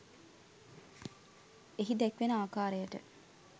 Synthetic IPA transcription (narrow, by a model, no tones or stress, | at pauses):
eɦid̪ækʋenəaːkaːɾejəʈə̰